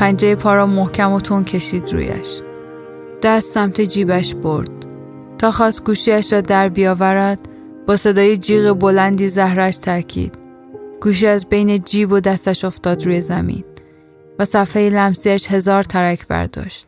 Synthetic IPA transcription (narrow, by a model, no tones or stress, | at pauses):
pʰænd͡ʒejepʰɒːɾɒːmohcʰæmot̪ʰoncʰe̞ʃiːd̪ɾṵjæ̰ʃ | d̪̥æst̪sæmt̪ʰed͡ʒiːbæʃboɾd̪̥̚ | t̪ʰɒːxɒːst̪ɡuːʃiːæʃɾɒːd̪æɾbijɒːvæɾæd̪̥̚ | b̥ɒːse̞d̪ɒːjed͡ʒiːɣebo̞lænd̪iːzæhɾæʃt̪ʰæɾcʰḭːd̪̥ | ɡ̥uːʃ̬iːæzbe̞jned͡ʒiːbod̪æst̪æʃo̞ft̪ɒːd̪ɾuːjezæmḭn | væsæfhejelæmsiːæʃhe̞zɒːɾt̪ʰæɾæcʰbæ̰ɾd̪ɒ̰ːʃt̪̚